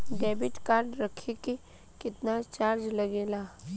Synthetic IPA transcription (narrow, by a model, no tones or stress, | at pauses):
ɖɛːbɪʈkaːɾɖɾɐkʰeke | kɪt̪nat͡ʃaːɾd͡ʒlɐɡeːlaː